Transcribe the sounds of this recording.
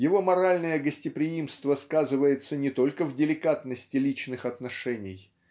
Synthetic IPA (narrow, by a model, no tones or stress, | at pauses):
jɪvo̞mɐɾalʲnəjəɡəsʲtʲɪpɾʲɪimst̪vəskazɨvəjɪt̪sənʲɪt̪o̞lʲkəvdʲɪlʲɪkat̪nəsʲtʲɪlʲit͡ɕnɨxɐt̪nɐʂɛnʲɪj